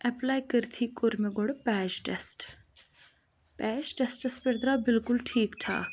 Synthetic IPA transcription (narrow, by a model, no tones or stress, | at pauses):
ɛplaːjkəɾt̪ʰiːkoɾmeɡoɽpɛːd͡ʒʈɛsʈ | pɛːd͡ʒʈɛsʈɐspɐɾd̪ɾaːbɪlkʊlʈʰiːkʈ̪ʰa̰ː